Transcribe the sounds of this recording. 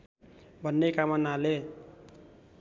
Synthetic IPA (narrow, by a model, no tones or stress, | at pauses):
bʱʌnːekamʌnale